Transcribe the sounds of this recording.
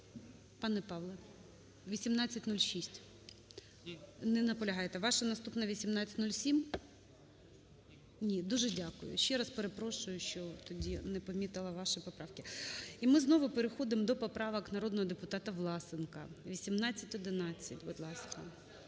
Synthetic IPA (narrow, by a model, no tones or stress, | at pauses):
pɑnɛpɑʋlˠɛ | ʋʲisʲimnɑt͡sʲːɐtʲnulʲʃisʲtʲ | nɛnɐpɔlʲɐɦɑjet̪ɛʋɑʃɐnɐst̪upnɐʋʲisʲimnɑt͡sʲːɐt̪ʲnulʲsʲim | nʲid̪uʒɛdʲakʊ̰jʊ̰ʃt͡ʃɛɾɑspeɾepɾɔʃʊjʊʃt͡ʃɔt̪ɔdʲinɛpɔmʲit̪ɐlˠɐʋɑʃɪpɔpɾɑwkɪimɪznɔʋʊpeɾexɔd̪ɪmd̪ɔpɔpɾɑʋɐknɐɾɔd̪nɔɦɔd̪epʊt̪ɑt̪ɐʋlˠɑsɪnkɐ̰ʋʲisʲimnɑt͡sʲːɐtʲɔd̪ɪnɑt͡sʲːɐtʲʋɔd̪lˠɑskɐ